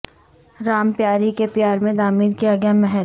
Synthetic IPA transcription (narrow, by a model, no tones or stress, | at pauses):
ɾaːmpjaːɾikepjaːɾmẽd̪aːmiːlkijaɡjamɛɦɛɾ